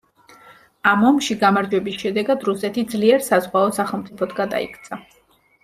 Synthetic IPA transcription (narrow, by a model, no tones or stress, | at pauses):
amɔmʃiɡamaɾd͡ʒwɛbisʃɛd̪ɛɡad̪ɾusɛt̪ʰid̪zliɛɾsazʁwaɔsaχɛlˠmt̪sʼipʰɔt̪ʰɡad̪a̰ḭkʰt̪sʰa